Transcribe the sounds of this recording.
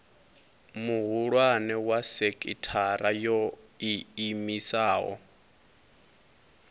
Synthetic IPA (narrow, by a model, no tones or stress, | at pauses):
muɦuɺwanɛwasekʼitʰaɾʔajɔiːmisaːɦɔ̰